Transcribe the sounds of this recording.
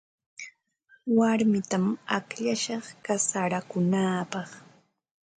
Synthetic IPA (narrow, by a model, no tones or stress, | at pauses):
waɾmɪt̪amakʎaʃɑχkasaɾakʊnaːpɑχ